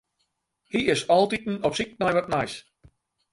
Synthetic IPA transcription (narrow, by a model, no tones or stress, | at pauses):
hiɪsɔlˠtitn̩ɔpsik̚najʋɔtnajs